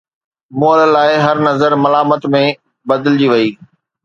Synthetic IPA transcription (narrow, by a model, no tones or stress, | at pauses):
moːəllaːɪɦɐɾnɐzəɾmɐlaːmət̪mẽ | bɐd̪əld͡ʑiʋɐiː